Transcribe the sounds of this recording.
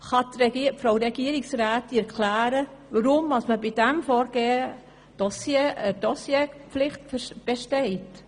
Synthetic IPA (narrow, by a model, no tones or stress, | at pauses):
χɑtɾɛifɾoɾɛɡiəɾɪksraːtiɛɾkʰlæːɾəʋəɾʊmːɑsməbidɛmfɔːɾɡ̥eːə | d̥ɔsjeədɔsjepflɪχtb̥eʃtɛɪt